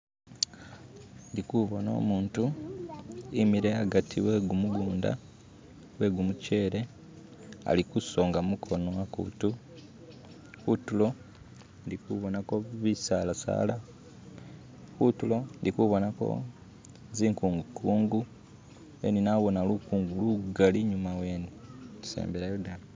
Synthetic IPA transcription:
ndikuβo̞no̞̰ːmuːntu | imiɾeaɡatʰiwe̞ːɡumuɡuːnda̰ | we̞ːɡumuce̞ːɾe̞ | a̰likuso̞ːŋɡamukʰo̞no̞akṵtu | kutulo̞ | ndikuβonako̞βisalasa̰ːla | kutulo̞ndikuβo̞nako̞̰ | ziːŋkuːŋɡukuːŋɡu | ḛninaβo̞nalukuːŋɡuluɡaliɲumawe̞ːnisḛːmbeɾajodan

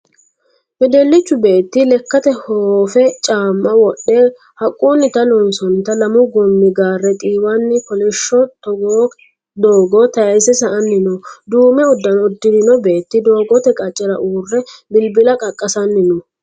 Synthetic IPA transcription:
mɛd̪ɛlːɪt͡ʃːʊbe̞ːt̪ːɪlɛkːɐt̪ɛhoːfɛt͡ʃʼaːmːɐwɔɗːeː | hɐkʼːunːɪt̪ɐlɔnsɔnt̪ɐlɐmʊɡɔmːɪɡaːrːɛt̪ʼiːwanːɪkɔlɛʃːɔt̪ɔɡ | d̪oːɡɔt̪ɐjɐjsɛsɐʔɐnːɪnɔd̪uːmɛɔd̪ːɐnɔd̪ːɪd̪ɪnɔbe̞ːt̪ːɪd̪o̞ːɡɔt̪ɛkʼɐt͡ʃʼːɛɾɐʔuːrːɛbɪlbɪlɐkʼɐkʼːɐsɐnːɪnɔ

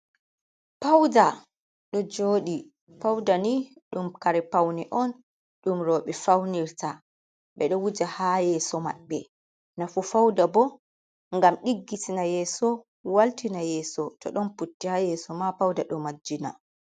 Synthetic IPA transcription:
pawda | ɗɔd͡ʒoːɗi | pawdaniɗumkaɾɛpawniʔɔn | ɗumɾɔːɓɛfawniɾta | ɓɛɗɔwud͡ʒahajɛːsɔma̰ɓːɛ | nafufawdabɔ | ŋɡamɗiɡːitinajɛːsɔ | waltinajɛːsɔtɔ̰ɗɔnputːihajɛːsɔmapawdaɗɔmad͡ʒːina̰

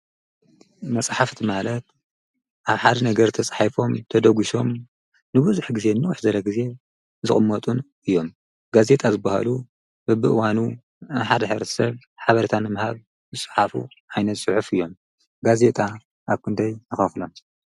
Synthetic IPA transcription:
mɐsʼħaft̪ʰimalɐt̪̚ | ʔaβħad̪ɐnɐɡɐɾt̪ʰɐsʼħafo̞mt̪ʰɐd̪ɐɡuʃo̞m | nɨbuzuħɡize̞nːɨwuħzɐlɐɡize̞ | zɨχʼɨmːɐt̪ʼun | ɨjːo̞m | ɡaze̞t̪ʼazɨbːaha̰lu | bɨbɨʔɨwanu | ħad̪ɐħɨβɾɐt̪ʰsɐβ | ħaβɐɾit̪ʰanːɨmɨhaβ | zɨsʼɨ̥ħafṵ | ʔajnɐt̪sʼɨħufɨjːo̞m | ɡaze̞t̪ʼa | ʔaβkʰɨnd̪ajnɨxɐflom

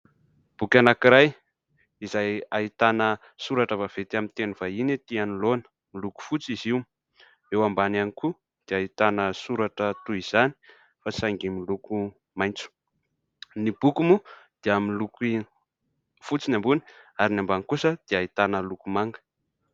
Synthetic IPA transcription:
b̥ukʲanakiɾaj | izajait̪anə | suɾaʈ͡ʂəvav̥et̪iamint̪enuvainet̪ianilonə̥ | miluku̥fut͡siziwum | ewambananiku | d̪̥eait̪anəsuɾaʈ͡ʂət̪uiz̥ani̥ | fasaŋɡimiluku | majnt͡su̥ | nib̥ukumud̪̥eaminluki | fut͡sinambuni̥aɾinambanikusəd̪̥eait̪anəlukumaŋɡə̥

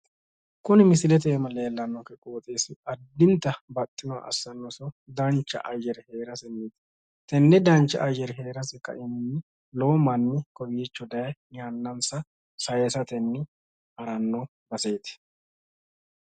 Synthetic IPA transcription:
kʊnɪmɪsɪlɛt̪̬ɛːmɐleːlːɐnːɔkɛkʼoːt̪ʼeːsɪɐd̪ːɪnt̪ːɐbɐt̪ʼːɪmɐ̰ʔɐ̰sːɐnːɔsɔd̪ɐnt͡ʃːɐ̰ʔɐjɛɾɛheːɾɐsɛnːiːt̪ | t̪ɛnːɛd̪ɐnt͡ʃːɐ̰ʔɐjɛɾɛɦeːɾɐsɛkːɐ̰ʔɪmɪnːɪ | lomɐnːɪkɔjiːt͡ʃːɔd̪ɐjɐnɪjanːɐnsɐ | sɐjɛsɐt̪ɛnːɪ | ʔɐɾɐnːɔ | bɐse̞ːt̪ɛ̥

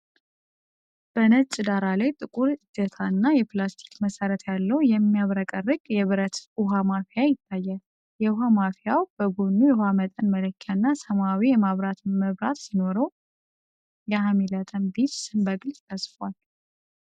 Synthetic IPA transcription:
b̥ənət͡ʃʼɨd̪aɾalajt̪ʼɨkʼuɾɨd̪ət̪ʰanːajɛplast̪ʰi̥kməsəɾət̪jalːəwjɛmːijaβɾəkʼərːɨkʼjɛβɨɾət̪uɦamafijajɪt̪ʰːajːa | jɛuɦamafijawb̥əɡunːujɛwamət̪ʼənmələkʰːanːasəmawijɛmaβɾat̪ʰɨnməβɾa̰t̪sino̞ɾəw | jɛhamilət̪ʼəmbit̪sɨmbəɡɨlt̪ʼʰəsfwal

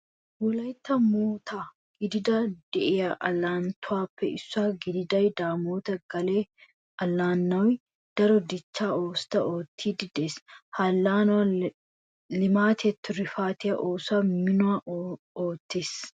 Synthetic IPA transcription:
wɔlɐjt̪ːɐmoːt̪ʰa | ɡ̥ɪd̪ɪd̪ɐd̪̥ɛʔɪjɐʔɐlːaːnt̪ʰʊaːpːɛʔɪsːaːɡɪd̪ɪd̪ɐjd̪aːmoːt̪ɐɡɐleː | ɐlːaːnːɐw | d̪̥ɐɾɔd̪ɪt͡ʃːaːoːst̪ɐʔoːt̪ʰːiːd̪ɪd̪eːshalːaːn | lɪmaːt̪ʰɛt̪ʰːʊɾɪfaːt̪ɪjɐʔoːsamɪnʊa | oːt̪ːes

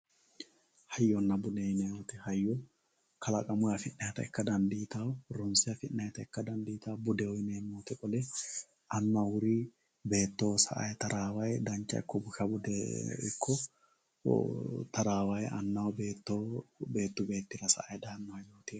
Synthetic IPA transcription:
hɐjːɔnːɐbʊd̪ɛjnɛot̪ɛhɐjːɔ | kɐlɐkʼɐmʊjɐfɪnːɐjt̪ɐ̰ɛkːɐd̪ɐnd̪iːt̪awɾɔnsɪjɐfɪnːɐjt̪ɐɪkːɐd̪ɐnd̪iːt̪awbʊd̪ɛwɔjneːmoːt̪ɛkʼɔlɛ | ʔɐnːɐwʊɾi | be̞ːt̪ːoːsɐ̰ʔɐ̰jt̪ɐɾaːwɐjd̪ɐnt͡ʃːɐ̰ɪ̰kːɔbʊʃɐbʊd̪ɛ̰ɪ̰kʰːɔ | t̪ɐɾaːwɐjɐ̰nːɐwbeːt̪ːobe̞ːt̪ːʊbe̞ːt̪ːɪɾɐsɐ̰ʔɐjd̪aːnːʊɐjoːt̪ɪ

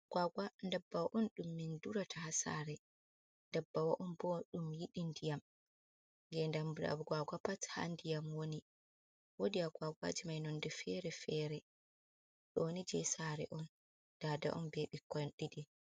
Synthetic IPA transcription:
ɡ̥waɡwandɛbːawaʔɔnɗumːinduɾatʰahasa̰ɾɛ | ndɛbːawaʔɔnbɔɗumjiɗindijam | ŋɡɛndambɗa̰bɔɡwaɡapatha̰ndijamwoni | wodiaɡwaɡwa̰d͡ʒimajnɔndɛfɛɾɛfɛɾɛ | ɗɔnid͡ʒɛsaɾɛ̰ʔɔn | d̥ada̰ʔɔ̰mbɛɓikɔɗidɛ

